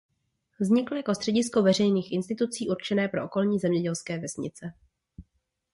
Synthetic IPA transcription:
vzɲɪkl̩jako̞st̪r̝̥ɛɟɪsko̞vɛr̝ɛjniːxʔɪnst̪ɪt̪ut͡siːʔuɾt͡ʃɛnɛːpɾo̞ʔoko̞lɲiːzɛmɲɛɟɛlskɛːvɛsɲɪ̰t͡sɛ

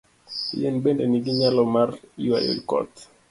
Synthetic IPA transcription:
ḭjɛnbendeniɡiɲalɔmariwa̰jo̰lkɔ̰t̪

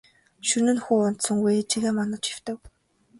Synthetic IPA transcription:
ʃɵnɘ̆nxuːʊn̥t̪sɞ̆ŋɡujt͡ɕʰiɣeːmɔnə̆t͡ɕxiw̥t̪ɘ̆k

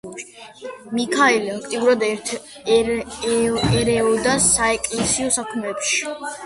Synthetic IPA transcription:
mikʰaɛliaŋkʰʼt̪ʼiuɾad̪ɛɾt̪ʰ | ɛɾɛɔd̪asaɛkʼlɛsiɔsakʰmɛpʃi̥

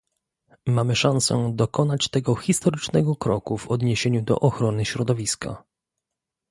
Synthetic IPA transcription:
mamɘʂansɛ̰d̪ɔkɔnat͡ɕt̪ɛɡɔxʲist̪ɔɾɘt͡ʂnɛɡɔkɾɔkuvɔd̪ɲeɕeɲud̪ɔ̰ʔɔxɾɔnɘɕɾɔd̪ɔvʲiska̰

